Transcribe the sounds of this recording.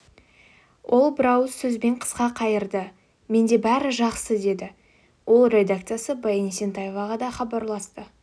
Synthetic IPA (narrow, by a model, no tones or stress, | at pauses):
wʔo̞lˠbɾawəsːɵzbe̞ɴqʰə̥sqɑqʰɑjəɾd̪ə | me̞nd̪e̞bæɾɪʒɑqsəd̪e̞d̪ɪ | wʔo̞lˠrʲe̞d̪akt̪sɨijasəbɑjenise̞nt̪ajevɑʁɑd̪ɑχɑbɑɾlˠɑst̪ə